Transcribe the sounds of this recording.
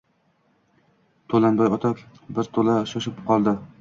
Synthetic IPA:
t̪ʰolanbaɒt̪ʰap | bɪɾt̪ʰolaʃɒʃɪpqʰɒlˠd̪ɪ

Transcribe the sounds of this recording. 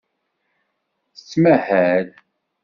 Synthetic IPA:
θə̥t͡sːmæhæɾ

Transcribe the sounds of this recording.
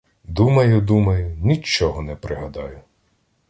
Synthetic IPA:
d̪umɐjʊd̪umɐjʊnʲit͡ʃːɔɦɔnɛpɾɪɦɐd̪ɑjʊ

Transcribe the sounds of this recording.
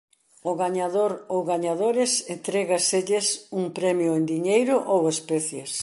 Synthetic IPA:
ʊɣaɲaðoɾowɣaɲaðoɾɪsent̪ɾɛɣɐseʎesuŋpɾɛmjʊend̪iɲejɾʊʔowespɛθjes

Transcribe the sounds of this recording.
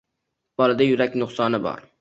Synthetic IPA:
b̥ɒlˠɪd̪ajʊɾakʲnʊχsɒnɪbɒ̰ɾ

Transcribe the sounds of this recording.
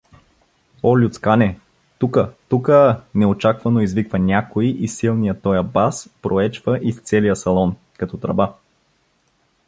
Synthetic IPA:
ɔlʲut̪skanɛ | t̪ukət̪ukənɛot͡ʃakvɐnoizvikvənʲakoiʔisilˠnijət̪ɔjəbaspɾoɛt͡ʃvəʔist̪sɛlijəsɐlˠɔn | kɐt̪ɔt̪ɾɐ̰ba

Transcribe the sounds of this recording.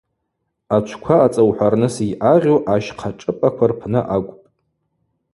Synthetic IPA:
at͡ʃʷʰkʷʰaːt͡sʼawħʷarnɨsijʔaʁʲowʔaʃqʰaʈ͡ʂʼɨpʼakʷʰarpʰnɨʔakʷʼpʼ

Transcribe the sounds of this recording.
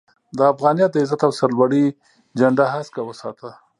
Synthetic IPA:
d̪əːfɣɑnijɑt̪̚d̪əɪzat̪awsaɾlwaɽi | d͡ʒaɳɖaɦaskawəsɑt̪a

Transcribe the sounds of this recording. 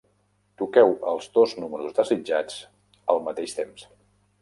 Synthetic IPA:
t̪ukɛwəlˠzðoznuməɾuzd̪əzid͡ʒad͡z | əlˠmət̪eʃt̪ems

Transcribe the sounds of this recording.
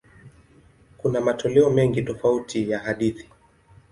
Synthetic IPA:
kunamatʰɔlɛɔmɛŋɡitɔfautʰijaɦaɗiθi̥

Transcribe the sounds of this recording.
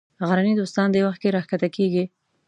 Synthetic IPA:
ɣaɾanid̪ost̪ɑnd̪ewaxt̪̚keɾɑxkat̪akeɡi

